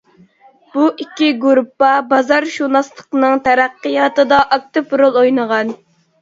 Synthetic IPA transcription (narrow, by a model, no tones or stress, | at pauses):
b̥uikʲːiɡuɾupːɑbɑzɑɾʃuɾnɑslˠə̥qnɨŋt̪ʰæɾæqːɨjɑt̪ɨd̪ɑʔɑk̚t̪ɪpɾolˠojnəʁɑn